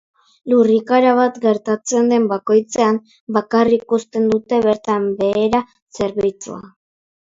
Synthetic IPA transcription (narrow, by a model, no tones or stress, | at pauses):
lurikaɾaβ̞at̪ɡe̞ɾt̪at͡se̞nd̪e̞mbako̞jt͡se̞am | bakarikust̪e̞nd̪ut̪e̞βe̞ɾt̪ambe̞ːɾa | se̞ɾβijt͡sṵa̰